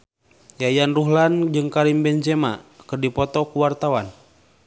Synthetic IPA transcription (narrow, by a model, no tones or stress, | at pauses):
jajanruɦland͡ʒɨŋkaɾimbɛnd͡ʒɛma̰kɨrdipɔt̪ɔkuwart̪awan